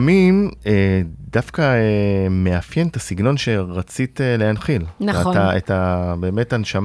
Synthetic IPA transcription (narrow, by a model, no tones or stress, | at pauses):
mimedafkaeme̞afjenetasiɡno̞nʃe̞ʁat͡sitelehanχilataḛtabe̞ːme̞tanʃam